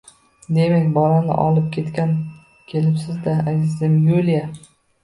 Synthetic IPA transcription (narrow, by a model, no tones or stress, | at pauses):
d̪e̞makʲbɒlanɪ̰ʔɒ̰lˠɪp̚kʲʰe̞t̪kʲan | kʲʰe̞lɪpsɪzd̪aazɪzɪmjulja